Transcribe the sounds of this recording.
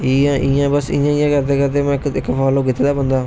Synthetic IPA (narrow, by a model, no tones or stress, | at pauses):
iːãːʔiːjãːbəsɪ̰̃ːjãːɪjãːkəɾd̪eːkəɾt̪eːmɛ̃ːkɪkːpʰaːloːk̬ɪt̪ːeːd̪aːbənd̪aː